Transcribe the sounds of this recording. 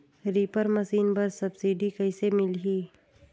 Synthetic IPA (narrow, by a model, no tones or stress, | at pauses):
ɾiːpəɾmɐsiːnbɐɾsɐbsiːɖikɐisemɪlɦiː